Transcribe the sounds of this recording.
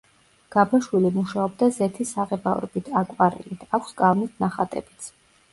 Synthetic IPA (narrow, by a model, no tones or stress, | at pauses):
ɡ̥abaʃwilimuʃaɔbd̪azɛt̪ʰisaʁɛbaɔɾɔbit̪ʰakʼwaɾḭlit̪ʰakʷʰskʼalnisʰnaχat̪ʼɛ̰b̥it̪sʰ